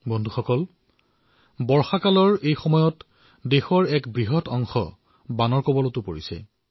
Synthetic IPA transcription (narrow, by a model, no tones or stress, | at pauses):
bɔndʱuxɔkɔl | bɔɹxakalɔɹejxɔmɔjɔt | dexɔɹɛkbɹiɦɔtɔŋxɔ̰ | banɔɹkɔbɔlɔtʊpoɹisɛ̰